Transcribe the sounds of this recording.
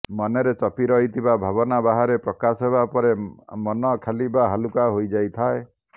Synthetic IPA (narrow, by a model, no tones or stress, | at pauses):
mɔneɾet͡ʃɔpiɾɔɦit̪ʰibabʱabɔnabaɦaɾepɾɔkasɔɦebapɔɾemɔnɔkʰelibaɦalukaɦojd͡ʒajt̪ʰae